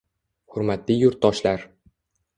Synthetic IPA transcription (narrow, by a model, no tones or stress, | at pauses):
hʊɾmat̪lijʊɾt̪ːɒʃlaɾ